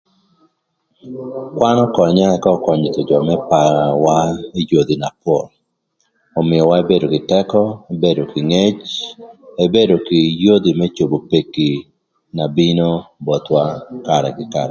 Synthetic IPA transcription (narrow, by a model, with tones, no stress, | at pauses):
kwa˦nɔ˦kɔ˨ɲa˦ɛ˦kɔ˦kɔ˨ɲit̪ɔ˨d͡ʒɔ˨mɛ˦pa˨ɾawai˦jo˨d̪i˨na˨pwɔ˨l | ɔ˨mɪjɔ˨wa˦e˦be˦do˨ɡɪ˨tɛkɔe˦be˦do˨kɪ˨ŋe˦t͡ʃ | e˦be˦do˨kɪ˨jo˦d̪i˨mɛ˦t͡ʃo˨bo˨pe˨ki˨ | na˨bino˦bɔ˨t̪waka˨ɾɛ̰ɡɪkaɾɛ